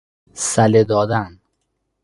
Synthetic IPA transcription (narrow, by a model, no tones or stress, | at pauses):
sæled̪ɒːd̪æn